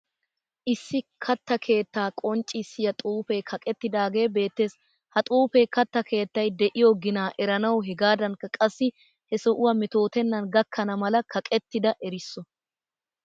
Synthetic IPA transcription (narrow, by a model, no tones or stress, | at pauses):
ʔɪsːɪkʰɐt̪ːɐkʰe̞ːt̪ːaːkʼɔnt͡ʃʼɪsːɪjɐt̪ʼuːfɛkʰɐkʼɛt̪ːɪd̪aːɡe̞ːbe̞ːt̪ːe̞ːs | hɐt̪ʼuːfeːkɐt̪ːɐkʰe̞ːt̪ːɐjd̪ɛʔɪjoɡɪnaːʔɛɾɐnɐwɦɛɡaːd̪ɐnkːɐkʼɐsːɪ | hɛsɔʔʊwɐmɛt̪o̞ːt̪ɛnːɐnɡɐkʰːɐnɐmɐlɐkʰɐkʼɛt̪ːɪd̪ɐʔɛɾɪsːɔ